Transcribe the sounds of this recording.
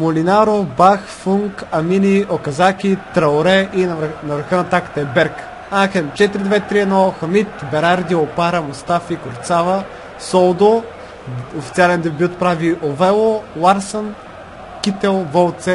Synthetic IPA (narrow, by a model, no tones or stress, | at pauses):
molinaɾobaxfuŋkɐminiʔokɐzakʲit̪ɾɐoɾɛʔinnɐvɾxənɐt̪akə̥t̪ɐɛbɛɾk | axɛnt͡ʃɛt̪iɾid̪vɛt̪ɾiɛnɔxɐmit̪bɛɾaɾd̪iopaɾɐmost̪afikoɾt̪savɐ | sɔlˠd̪o | ofit̪sialɛnd̪ɛbʲjut̪pɾaviʔovɛlˠolaɾsən | kʲit̪ɛlˠvɔlˠt̪sɛ